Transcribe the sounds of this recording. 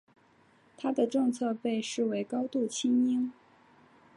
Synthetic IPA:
t̪ʰa˥d̪ə˨ʈ͡ʂɤ˥˧ŋt͡sʰɤ˥˧pe˥˧ɪʂɻ̩˥˩we˧˥ɪkɑ˥ʊt̪u˥˩t͡ɕʰi˥ŋi˥ŋ

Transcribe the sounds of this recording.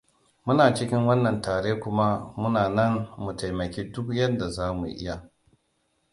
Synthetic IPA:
mʊ˦naː˨t͡ʃɪ˦kʲɪ˦ŋwɐ˦nːɐ˨ntaː˨ɾeː˦kʷʊ˦ma˦mʊ˦naː˨nɐ˦ŋmu˨ta˨jmɐ˨kʲeː˦dʊ˦kjɐ˦nda˨zaː˦mṵ˨ʔɪ̰˦ja˨

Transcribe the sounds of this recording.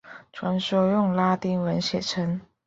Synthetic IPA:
ʈ͡ʂʰwa˧˥nʂo˥ʊjʊ˥˩ŋla˥t̪i˥ŋwə˧˥nɕjɛ˨˩ʈ͡ʂʰə˧˥ŋ

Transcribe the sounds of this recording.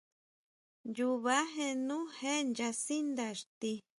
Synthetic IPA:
ju˧βa˦ɦẽ˧nũ˦hẽ˦nd͡ʒa˧si˦nd̪a˧˨ʂt̪i˧

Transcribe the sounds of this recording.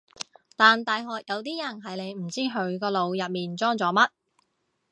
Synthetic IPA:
t̪aː˨nt̪aː˨jɦɔː˨k̚jɐ˨˧wt̪̬iː˥jɐ˨˩nɦɐ˨˥jne˨˧jm̩˨˩t͡siː˥ɦɵ˨˧˥ɥkɔː˧lo˨˧wjɐ˨p̚miː˨nt͡sɔː˥ŋt͡sɔː˨˥mɐ˥t̚

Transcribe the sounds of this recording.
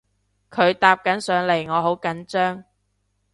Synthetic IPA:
kʰɵ˨˧ɥt̪aː˧p̚kɐ˨˥nsœː˨˧ŋle˨˩jŋɔː˨˧ɦo˨˥wkɐ˨˥nt͡ʃœː˥ŋ

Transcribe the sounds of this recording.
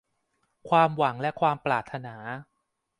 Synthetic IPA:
kʰwaː˧mwa˩˦ŋlɛ˦˥kʰwaː˧mplaː˨˩t̪ʰːa˧naː˩˦

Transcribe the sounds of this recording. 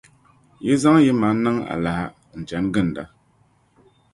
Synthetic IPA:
je˦za˦ŋ˦je˦ma˨˦na˦ŋa̰˨la˨ha˦ | n̩˨t͡ʃa˨˦nɡɨ˦˨n˨da˦

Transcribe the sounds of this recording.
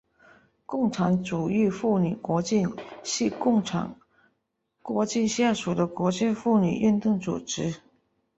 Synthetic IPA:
kʊ˥˩ŋʈ͡ʂʰɑ˧˥ŋʈ͡ʂu˨˩y˥˧fu˥˩ny˨˩kwɔ˧˥t͡ɕi˥˧nɕi˥˧kʊ˥˩ŋʰɑ̰˨˥ŋ | kwɔ˧˥t͡ɕi˥˧nɕja˥˩ʂu˨˩d̪ə˦kwɔ˧˥t͡ɕja˥˧fu˥˩ny̰˨˩ʔy˥˧nt̪ʊ˥˩ŋt͡sṵ˨˩ʈ͡ʂɻ̩˧˥

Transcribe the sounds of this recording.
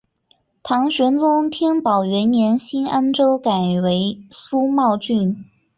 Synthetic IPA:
t̪ʰɑ˧˥ŋɕɥɛ˧˥nt͡sʊ˥ŋt̪ʰjɛ˥npɑ˨˩ʊɥɛ˧˥njɛ˧˥nɕi˥na˥nʈ͡ʂo˥ʊka˨˩ɪwe˧˥ɪsu˥mɑ˥˧ʊt͡ɕy˥˩n

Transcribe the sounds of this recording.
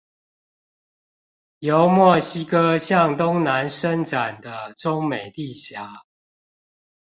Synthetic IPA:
jo˨˦ʊmwɔ˥˩ɕi˦kɤ˦˥ɕjɑ˥˨ŋt̪ʊ˦ŋna˨˦nʂə˦nʈ͡ʂa˨˩nd̪ə˦ʈ͡ʂʊ˦ŋme˨˩ɪt̪i˥˨ɕja˨˥˦

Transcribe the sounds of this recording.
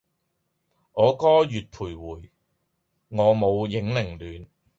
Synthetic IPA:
ŋɔː˨˧kɔː˥jyː˨t̚pʰuː˨˩jwuː˨˩j | ŋɔː˨˧mo˨˧wjɪ˨˥ŋlɪ˨˩ŋlyː˨˧n

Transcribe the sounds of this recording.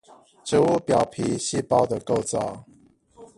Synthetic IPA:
ʈ͡ʂ̩˨˦u˥˨pjɑ˨˩ʊpʰi˧˦ɕi˥˧pɑ˥˨ʊd̪ə˨ko˥˨ʊt͡sɑ˨˦ʊ

